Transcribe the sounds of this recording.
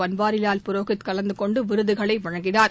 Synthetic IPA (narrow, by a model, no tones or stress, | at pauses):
ɐnbaːɾɪlaːlpʊɾoːɣɪt̪kɐlɐnd̪ɯkɔɳɖɯʋɪɾɯðɯɣɐɭɐɪʋɐɻɐŋɡɪnaːɾ